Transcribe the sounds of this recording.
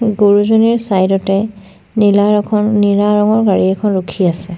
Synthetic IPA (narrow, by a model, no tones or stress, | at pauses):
ɡoɹuzoniɹsajdɔtɛ | nilakʰɔnniɹaɹɔŋɔɹɡaɹiɛkʰɔnɹukʰiasɛ